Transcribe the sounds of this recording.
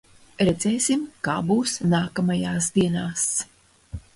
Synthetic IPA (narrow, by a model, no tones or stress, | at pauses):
ɾɛd̪zɛːsʲimkaːbuːsnaːkamajaːsd̪iɛnaːs